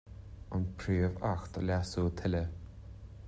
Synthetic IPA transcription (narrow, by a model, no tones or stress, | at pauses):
anpʰɾiːvaxt̪ʰə̰lʲasuːt̪ʰɪlə